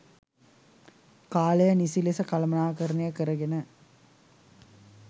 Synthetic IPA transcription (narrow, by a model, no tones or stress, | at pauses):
kaːlɐjɐnisilesɐkɐlɐmɐnaːkɐɾɐnejɐkɐɾɐɡenə